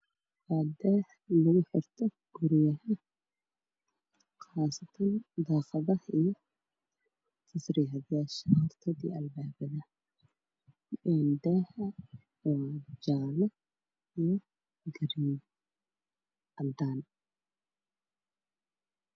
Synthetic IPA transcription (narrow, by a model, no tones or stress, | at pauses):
waːd̪ɛːh | lʊɣʊħɪrt̪ʰɔ | ɡ̥ʊɾɪjɐɦɐ | qɑːsɐt̪ʰɐnd̪ɑːqɐðɐhijɔ | tʰɐsɾiːɦɐðjaːʃɐhɔrt̪ʰɐd̪ḭːɐlbaːbɐðɐ | ɛːnd̪ɛhɐ | ɔːd͡ʒaːlɐ | ijɔ | ɡɐɾi | ʔɐbd̪aːn